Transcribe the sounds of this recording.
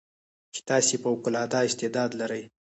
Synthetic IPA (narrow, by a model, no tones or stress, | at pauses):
t͡ʃɪ̥t̪ɑsepəʊkʊlɑd̪ɑɪst̪ɪd̪ɑd̪laɾəj